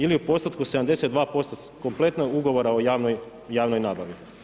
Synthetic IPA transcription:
iliupo̞st̪at̪kuseamd̪e̞set̪d̪ʋaːpo̞st̪oko̞mple̞t̪nauɡo̞ʋo̞ɾaojaːʋnoj | jaːʋnojnaːbaʋi

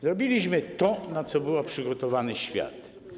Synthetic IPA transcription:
zɾɔbʲilʲiɕmɘt̪ɔnat̪sɔbɘwapʂɘɡɔt̪ɔvanɘɕfʲja̰t̪

